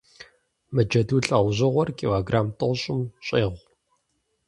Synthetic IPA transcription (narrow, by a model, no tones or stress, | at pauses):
mɨd͡ʒɐduːɬʼɐʁʷʑɪʁʷɔrkʰʼiloːɡraːmtʼɨʁɕʼɪmɕʼeːʁʷ